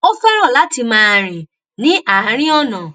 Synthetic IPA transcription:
ɔ˦fa˦ɾ̃ɔ̃˦˨la˨˦ti˧mãː˦˨ɾ̃ĩ˨ | nĩ˨˦ʔa˨˦ɾ̃ĩ˦ɔ˦˨nã˨

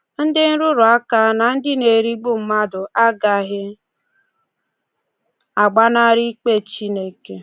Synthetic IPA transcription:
n̩˦dɪ˦n̩˦ɾʊ˦ɾʊ˨a˦ka˦na˨n̩˦dɪ˦ne˨ɾi˦ɡ͡bu˦m̩˦ma˦dʊ˨ʔa˦ɡa˦ɣɪ˦ | a˨ɡ͡ba˦na˦ɾi˦k͡pe˦t͡ʃi˦ne˦ke˦

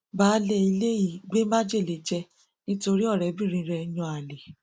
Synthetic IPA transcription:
ba˨˦le˦i˧le˦ji˦˨ɡ͡be˦ma˦d͡ʒe˦˨le˨˦d͡ʒɛ˧ | nĩ˦to˧ɾi˦ɔ˦˨ɾɛ˨˦bĩ˦˨ɾ̃ĩ˧˦ɾɛ˧˦j̃ɔ̃˧˦a˨le˨

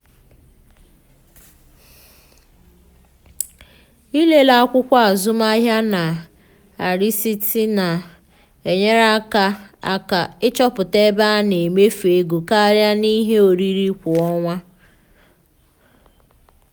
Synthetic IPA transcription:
i˦le˦la˨˦kʷʊ˦kʷa˦a˨zʊ˦ma˦ɦja˦na˨ | a˨ɾi˦si˦ti˦na˨ | e˨ɲe˦ɾa˦ka˦a̰˦ka˨ɪ˦t͡ʃɔ˦pʊ˨te˦ba˦ne˨me˦fe˨˦ɡu˨ka˦ɾja˦ni˦ɦe˦o˨ɾi˦ɾi˦kʷʊ˨ɔ˦ŋʷa˦

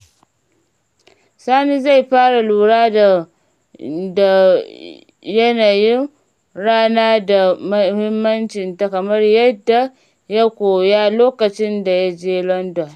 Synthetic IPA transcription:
saː˦ni˦za˦˨jɸaː˦ɽa˨luː˨ɽaː˦da˨ | da˨ | jɐ˦naː˨jɪ˦n | ɽaː˦naː˦da˨m˦hɪ˦mːɐ˦nt͡ʃɪ˨nta˦kɐ˨mɐ˦rjɐ˦dːa˨ | ja˦kʷoː˨ja˦loː˦kɐ˨t͡ʃɪ˦nda˨ja˦d͡ʒeː˦lɔ˦ndɔ˨n

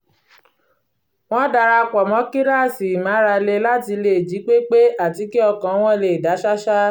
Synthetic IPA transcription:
w̃ɔ̃˦da˧˨ɾa˧kɔ˨mɔ̃˨˦ki˦ɾa˦˨si˨mã˨˦ɾa˧le˧la˦ti˧le˦˨d͡ʒi˨˦k͡pe˦k͡pe˦a˦˨ti˨˦ki˦ɔ˧kã˨˦w̃ɔ̃˦˧le˨da˨˦ʃa˦ʃa˦

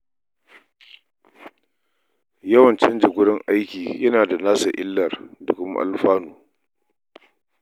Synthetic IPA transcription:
jɐ˦wɐ˨nt͡ʃɛ˦nd͡ʒɪ˨ɡʷʊ˦ɽɪ˦ŋʔa˦jkʲiː˨jɐ˦naː˨da˨naː˦sa̰˨ʔɪ̰˦lːɐ˨rdʊ˨kʊ˦m˦ʔa̰˦lɸaː˦nuː˨

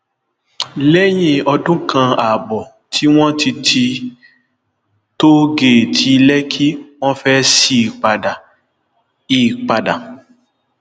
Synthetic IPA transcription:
lɛ˦j̃ĩ˧˨ɔ˧dũ˦kʰã˧a˨bɔ˨ | tʰi˦w̃ɔ̃˦ti˧tʰi˧ | to˦ɡe˨tʰi˧lɛ˦kʰi˦w̃ɔ̃˦fɛ˦si˦˨k͡pa˨da˨ | i˨k͡pa˨da˨

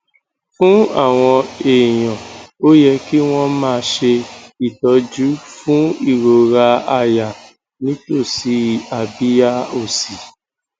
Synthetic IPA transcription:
fũ˦a˦˨w̃ɔ̃˧e˨j̃ɔ̃˨o˦jɛ˧ki˦w̃ɔ̃˦mãː˧ʃe˧i˦˨tɔ˧d͡ʒu˦fũ˦i˦˨ɾo˨ɾa˧a˧ja˨ | nĩ˨˦to˦˨si˧a˨bi˦ja˦o˨si˨

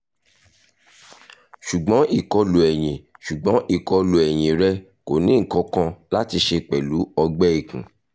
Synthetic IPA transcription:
ʃu˨ɡ͡bɔ̃˨˦i˨kɔ˧lo˨ɛ˨j̃ĩ˨ʃu˨ɡ͡bɔ̃˨˦ʔi˦˨kɔ˧lo˨ɛ˨j̃ĩ˨ɾɛ˦ | ko˨nĩ˨˦ŋ̩˨kɔ̃˨˦kã˧la˦ti˧ʃe˧k͡pɛ˨lu˨˦ɔ˧ɡ͡bɛ˦i˦˨kũ˨

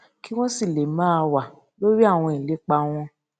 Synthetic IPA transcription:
ki˦w̃ɔ̃˦si˦˨le˨mãː˦˧wa˨ | lo˦ɾi˦a˦˨w̃ɔ̃˧i˨le˨˦k͡pa˧w̃ɔ̃˧

